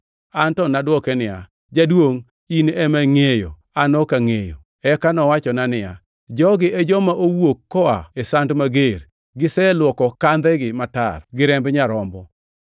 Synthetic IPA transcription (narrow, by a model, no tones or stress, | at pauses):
antɔnadwɔkɛnɪja̰ | d͡ʒadwoŋ | inemaŋejo̰ | anɔkaŋejo̰ | ɛkanɔwat͡ʃɔnanɪja̰ | d͡ʒɔɡɪed͡ʒɔmaʔowokːɔaesandmaɡer | ɡɪsɛlwɔkɔkand̪ɛɡɪmata̰rɡɪɾɛmbɲaɾɔmbɔ